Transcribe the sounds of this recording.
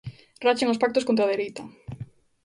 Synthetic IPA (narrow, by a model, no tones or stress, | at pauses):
rat͡ʃeŋospak̚t̪oskont̪ɾaðeɾejt̪ɐ